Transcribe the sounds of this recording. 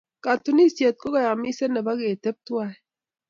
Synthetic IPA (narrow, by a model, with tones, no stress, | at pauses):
ka˨t̪u˦ni˦se˨t̪̚ko˦ɣa˨ja˨mi˦se˦nɛ˨ba˦ɣe˨t̪e˦p̚t̪wa˦ɛ˦